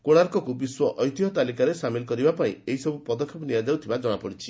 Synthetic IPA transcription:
koɽ̃aɾkɔkubiswɔʔɔjt̪iɦɔt̪alikaɾesamilɔkɔɾibapaḭ̃eɦisɔbupɔd̪ɔkʰːepɔniad͡ʒawt̪ʰibad͡ʒɔɽ̃apɔɽit͡ʃʰi

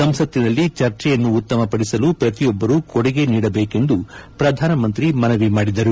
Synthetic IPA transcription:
sɐmsɐt̪ːinɐlːit͡ʃɐɾt͡ʃɛjɐnːuːt̪ːɐmɐpɐɽisɐlupɾɐt̪ijɔbːɐɾuːkɔɽɐɡe̞niːɽɐbe̞ːke̞nd̪upɾɐd̪ʱaːnɐmɐnt̪ɾimɐnɐʋimaːɽid̪ɐɾu

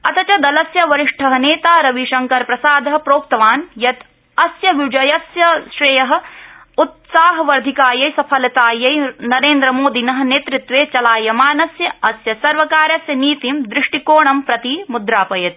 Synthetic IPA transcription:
ɐt̪ɐt͡ʃɐd̪ɐlɐsjɐʋɐɾɪʂʈʰɐɦɐneːt̪aːɾɐʋiʃɐŋkɐɾpɾɐsaːd̪ɐɦɐpɾoːk̚t̪ɐʋaːnjɐt̪ | ɐsjɐʋid͡ʒɐjɐsjɐʃɾɐjɐɦɐ̆ | ut̪saːɦɐʋɐɾd̪ʱikaːjɐjsɐpʰɐlɐt̪aːjɐjnɐɾeːnd̪ɾɐmoːd̪inɐɦɐ̆neːt̪ɾɪt̪ʋeːt͡ʃɐlaːjɐmaːnɐsjɐɐsjɐsɐɾʋɐkaːɾjɐsjɐniːt̪imd̪ɾɪʂʈikoːɳɐmpɾɐt̪imud̪ɾaːpɐjɐt̪

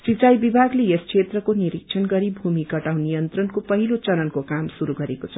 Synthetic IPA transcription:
sit͡sajbibʱaɡleeskʰet̪rʌkoniɾiksʰʌnɡʌɾibʱumikʌʈaw̃nijʌnt̪rʌnkopʌɦilot͡sʌɾʌnkokamsuɾuɡʌɾekot͡sʰʌ

